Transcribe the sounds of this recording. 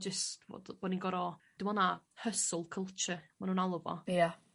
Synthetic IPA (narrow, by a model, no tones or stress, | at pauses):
d͡ʒəstvo̰d̥b̥ɔninɡɔɾɔ | d̥ɪmɔnahəsʊlˠkʰəlˠt͡ʃəmanuːnalˠəvɔ̰ja